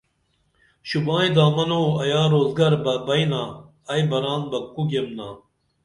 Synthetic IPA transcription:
ɕubãːĩd̪aːmɐnoːɐjaːɾoːzɡɐɾbɐbɐjnaː | ɐjbɐɾaːnbɐkːuɡemnaː

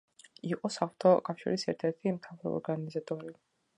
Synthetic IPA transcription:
iqʼɔsaft̪ʰɔkʼafʃḭɾisɛɾt̪ʰɛɾt̪ʰimt̪ʰavɾɔ̰ɔ̰ɾɡanizat̪ʼɔɾi

